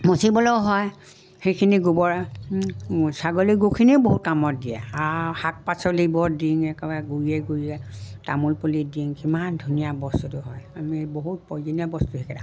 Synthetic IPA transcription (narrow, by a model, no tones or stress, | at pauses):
mosibɔlɔɦɔj | xejkʰiniɡubɔɹa | saɡoliɡukʰiniʊboɦut̚kamɔt̚diɛ̰ahak̚pasɔlibɔdiŋɛkɛbaɡuɹiɛɡuɹiɛtamulpɔlidiŋkimandʱunijabɔstutʊɦɔjamiboɦut̚pɔzɔniabɔstutʰekɛda